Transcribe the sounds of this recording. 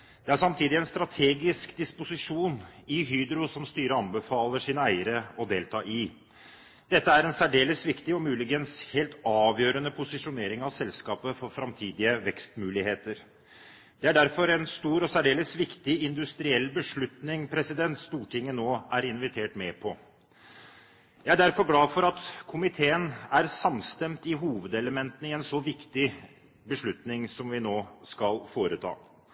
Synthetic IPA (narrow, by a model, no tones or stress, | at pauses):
d̪̥ɛæʂɑmt̪ʰiːd̪ɪɛnst̪ɾɑt̪ʰeːɡɪskd̪ɪspʊsɪʂuːnɪɦyːd̪ɾʊsɔmst̪yːɾəɑnbəfɑːləʂiːnəæɪəɾəɔd̪eːlt̪ʰɑːʔɪ | d̪̥ɛt̪ːəæɾɛnsæɖeːləsʋɪkt̪ɪɔmʉːlɪɡənsheːlt̪ɑːʋjøːɾənəpʰʊsɪʂʊneːɾɪŋɑʋsɛlskɑːpəfɔɾfɾɑmt̪ʰiːd̪ɪəʋɛkst̪mʉːlɪheːt̪əɾ | d̪̥ɛæɖæɾfɔɾɛnst̪uːɾɔsæɖeːləsʋɪkt̪ɪɪnd̪ʉst̪ɾɪɛlːbəʂɭʉt̪nɪŋpʰɾɛsɪd̪ɛnt̪st̪uːʈʰɪŋːənoːæɾɪnʋɪt̪ʰeːʈmeːpʰɔ | jæɪæɖæɾfɔɾɡlɑːfɔɾɑt̪kʰʊmɪt̪ʰeːənæɾsɑmst̪ɛmt̪ɪɦuːʋəd̪ɛləmɛnt̪ənəɪɛnsɔʋɪkt̪ɪ | bəʂɭʉt̪nɪŋsɔmʋɪnoːskɑlfoːɾət̪ʰɑ̰ː